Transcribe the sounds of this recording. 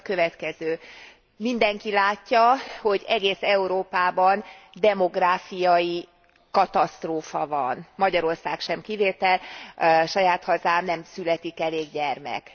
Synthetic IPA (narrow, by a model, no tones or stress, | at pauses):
kø̞vɛt̪kɛzøː | mind̪ɛŋkilaːcːɒho̞ɟɛɡeːsɛuɾoːpaːbɒnd̪ɛmo̞ɡraːfijɒji | kɒt̪ɒst̪roːfɒvɒ̰nmɒɟɒɾo̞rsaːkʃɛmkiveːt̪ɛlʃɒjaːt̪hɒzaːmnɛmsylɛt̪ikɛleːɡɟɛrmɛ̰k